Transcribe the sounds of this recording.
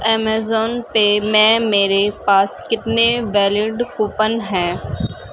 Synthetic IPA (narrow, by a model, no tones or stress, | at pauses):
ɛːmɛːzɔːnpemɛ̃ːmeːɾepaːskɪt̪neʋɛːlɪɖkuːpənɦɛ̃ː